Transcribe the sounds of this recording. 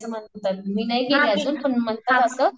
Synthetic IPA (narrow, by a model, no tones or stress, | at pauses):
səmanot̪at̪̚minajkeliəd͡zuːnpəɳmənt̪əəsə